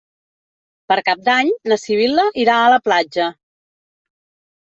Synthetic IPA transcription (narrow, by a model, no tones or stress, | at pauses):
pəɾkap̚d̪aɲləsiβ̞iləʔiɾaələplad͡ʒə